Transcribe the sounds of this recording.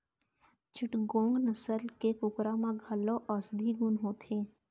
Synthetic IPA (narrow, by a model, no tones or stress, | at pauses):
t͡ʃɪʈɡõːŋɡnəsəlkekʊkɾamãɡʱɐlːoʔɔːsd̪ʱiɡʊnɦoːt̪ʰeː